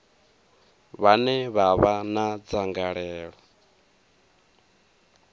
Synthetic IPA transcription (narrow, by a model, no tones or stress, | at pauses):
βanɛβaβanad͡zaŋɡaɺɛːɺɔ